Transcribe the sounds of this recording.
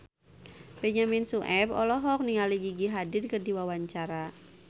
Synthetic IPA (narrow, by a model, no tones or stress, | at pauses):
bɛɲamɪnsuʔɛpɔlɔɦɔk̚niŋaliɡiɡiɦadɪrkərdiwawaɲt͡ʃaɾa